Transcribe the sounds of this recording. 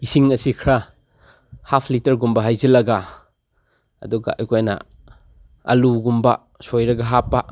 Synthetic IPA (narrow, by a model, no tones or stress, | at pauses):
isiŋɐsikʰɾa | hapʰlitɐɾɡumbɐɦajzɐlɐɡa | ɐ̰duɡa̰ʔɐ̰jkʰojnɐ̰ | ɐ̰luɡumbɐ | sojɾɐɡɐɦapːa